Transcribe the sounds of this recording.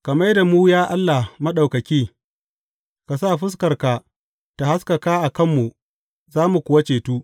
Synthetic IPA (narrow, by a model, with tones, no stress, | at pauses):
kɐ˨ma˦jda˨muː˦jaː˦ʔa˦lːa˨mɐ˦ɗa˨wkɐ˨kʲeː˦ | ka˨saː˦˨ɸʊ˦s̬kɐ˨rka˨ | ta˨ha˦skɐ˨kaː˦ʔa˨kɐ˦˨mːu˨ʔ | zaː˦mu˨kʷʊ˦wa˦t͡ʃeː˨tuː˦